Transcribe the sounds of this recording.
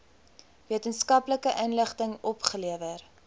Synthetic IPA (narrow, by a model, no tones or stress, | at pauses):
viətənskɐpləkəʔənləχtəŋɔpχəliəvər